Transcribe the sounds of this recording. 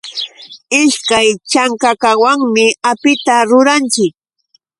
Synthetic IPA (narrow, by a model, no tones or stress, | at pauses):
ɪʃkajt͡ʃaŋkakawaŋmɪapɪt̪aɾʊɾant͡ʃɪk̚